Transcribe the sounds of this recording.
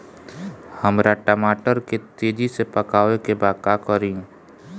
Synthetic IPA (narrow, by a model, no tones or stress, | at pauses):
həmɾaʈəmaːʈəɾket̪eːd͡ʒisepəkaːʋekebaːkakəɾĩ